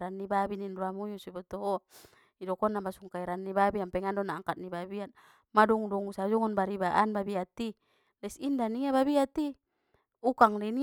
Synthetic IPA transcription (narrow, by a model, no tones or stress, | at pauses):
ɾanːibabininduamujusibɔt̪ɔɦɔ | idɔkɔnːambasuŋkaiɾanːibabiampɛŋandɔnaːŋkat̪̚nibabian | madɔŋdɔŋusad͡ʒɔŋɔnbaɾibaʔanbabiat̪i | lɛsindaniaβabiat̪i | ukaŋlini